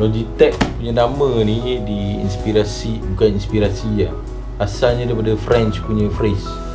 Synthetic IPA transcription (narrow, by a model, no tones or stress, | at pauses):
lod͡ʒit̪ɛk̚puɲanamənidiḭnspiɾasibukaninspiɾasia | asalɲadajpadəfɾɛnt͡ʃkuɲəfɾɛs